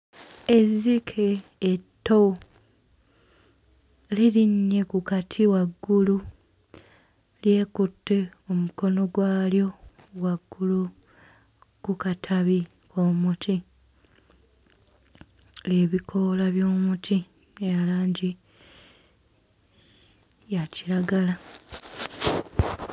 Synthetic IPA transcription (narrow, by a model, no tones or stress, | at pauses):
ezikʰeːtːo | liɾiɲːe̞kukatʰiwaɡːulu | lje̞ːkutːeomuko̞no̞ɡwaːljo̞ | waɡːulu | kukatʰaβi | kʰoːmutʰi | leːβikʰo̞laβjo̞ːmutʰi | ejalaːɲɟi | jaciɾaɡala